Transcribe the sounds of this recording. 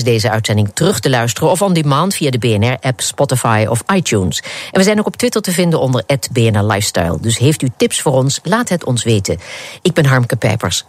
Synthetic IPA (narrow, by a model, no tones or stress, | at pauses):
zdejzəœɥtsɛndɪŋtərɵχtəlœɥstərənɔfɑlˠdimaːntfijadəbeːɛnɛɹʔɛpspɔtɪfa̰jɔ̰fajtjunsʔɛnʋəzɛjnowkɔptʋɪtəɹtəvɪndənɔndəɹʔɛtbeːɛnɛɹla̰jfstɑ̰jlˠdɵsɦejftytɪpsfʊːɹɔnslaːtɦətɔ̰nsʋejtə̰ɪɡ̚bɛnɦɑɹmkəpɛ̰jpə̰ɹs